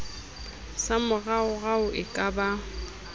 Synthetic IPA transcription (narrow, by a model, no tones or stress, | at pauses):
samʊɣaʊɣaʊʔɪkʼaba